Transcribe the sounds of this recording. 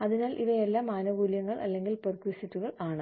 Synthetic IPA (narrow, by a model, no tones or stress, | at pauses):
ɐðinaːlʔiʋɐelːaːmaːnɐʋuːljɐŋːɐɭʔɐ̰lːe̞ŋɡilperkuʋisitːuɣɐɭaːɳɨ